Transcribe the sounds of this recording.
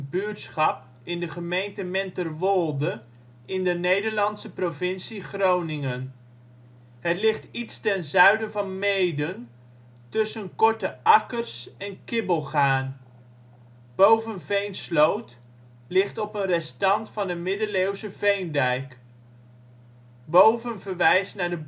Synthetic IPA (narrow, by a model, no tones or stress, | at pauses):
bytsχɑp | ɪndəχəmejntəmɛntərʋɔlˠdə | ɪndənejdəɹlɑntsəprovɪnsiχrownɪŋən | ɦətlɪχtitstɛnzœɥdəvɑnmejdən | tɵsənkɔɹtəʔɑkərsɛnkɪbəlˠχaːn | b̥owvənvejnslowt | lɪχtɔpənrɛstɑntfɑnəmɪdəlewzəvejndɛjk | bowvənvəɹʋɛjsnaːɹdəb